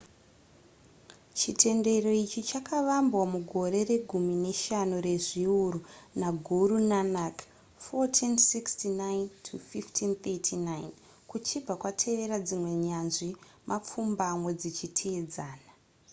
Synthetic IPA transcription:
t͡ʃitʰe̞nde̞ro̞it͡ʃit͡ʃakaʋambwamuɡʱo̞ɾe̞re̞ɡʱumine̞ʃanore̞ʐiuɾunaɡʱuɾunanak | fotʰinsikstinaintʰufiftʰint̪etʰinain | kut͡ʃib͡vakwatʰe̞ʋe̞ɾad͡zimwe̞ɲanʐimʔap͡fumbamwe̞d͡zit͡ʃitʰeːd͡zaːna

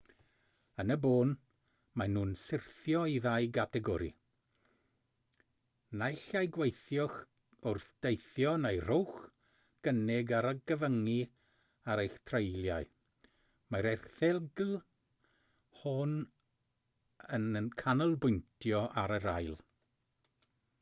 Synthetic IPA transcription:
ənəboːn | manuːnsɪrθjɔiðajɡatʰɛɡɔɾḭ | najɬajɡwejθjɔχ | ʊrθd̥ejθjɔnejrowχ | ɡ̥ənɪɡaɾaɡəvəŋi | aɾejxtʰrejlˠjaj | maɾɛrθɛɡl | hɔn | ənənkʰanəlˠbʊjntʰjɔʔaɾəɾajlˠ

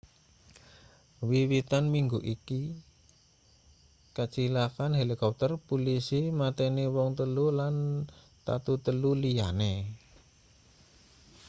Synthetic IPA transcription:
wiwit̪anmiŋɡuʔiki | kat͡ʃilakanɦelikɔp̚t̪ərpulisimat̪ɛnewɔŋt̪əlulan | t̪a̰t̪ut̪əlulijane

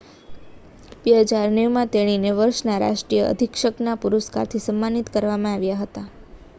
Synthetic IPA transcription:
beɦəd͡ʒaɾneʋmãt̪eɽ̃ineʋəɾʃnaɾa̰ʃʈɾijəə̰d̪ʱikʃəknapuɾuska̰ɾt̪ʰisəmːanit̪kəɾʋamãaʋjaɦət̪a

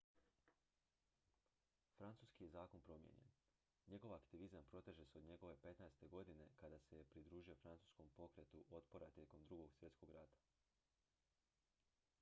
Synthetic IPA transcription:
fɾant̪suːskije̞zaːko̞npɾo̞mjḛɲe̞̰n | ɲe̞ɡo̞ʋakt̪iʋizampɾo̞t̪eʒe̞seo̞d̪ɲe̞ɡo̞ʋe̞pe̞t̪naest̪e̞ɡo̞d̪ine̞kad̪ase̞jepɾid̪ɾuːʒijo̞fɾant̪u̥ːsko̞mpo̞kɾe̞t̪uʔo̞t̪po̞ɾat̪je̞ko̞md̪ɾuɡo̞ɡsʋje̞t̪sko̞ɡɾat̪ḁ

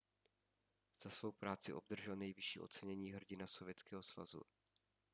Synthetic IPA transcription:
z̥asvo̞wpɾaːt͡sɪʔo̞b̚d̪r̩ʒɛlnɛjvɪʃiːʔo̞̰tt͡sɛɲɛɲiːɦr̩ɟɪnasovjɛt͡skɛːɦo̞sva̰zṵ

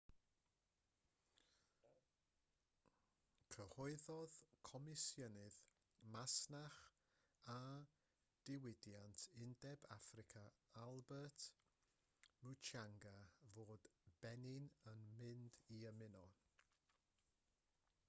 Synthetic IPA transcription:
kʰrəhɔɨðɔðkʰɔmɪsjənɪð | masnaχ | a | d̥ɪwɪdjantʰɪndɛbafrɪkʰaalˠbɛt | mut͡ʃʰaŋɡavoːd̥b̥ɛnɪnənmɪndiəmɪnɔ

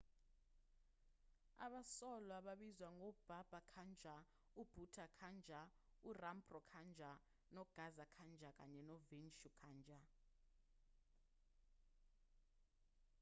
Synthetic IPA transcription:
a̰ɓasɔlwaɓaɓizwaŋɔb̥ʱab̥ʱakʰand͡ʒʱa | ub̥ʱutʰakʰand͡ʒʱaurambrɔkʰand͡ʒʱa | nɔɡ̥ʱazakʰand͡ʒʱak̬ʼa̰ɲɛnɔvinʃukʰaːnd͡ʒʱa

